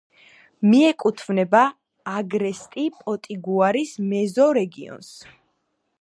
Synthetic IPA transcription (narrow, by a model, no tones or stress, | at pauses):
miɛkʼut̪ʰvnɛbaː | ɡɾɛst̪ʼipʼɔt̪ʼiɡuaɾismɛzɔɾɛɡiɔ̰ns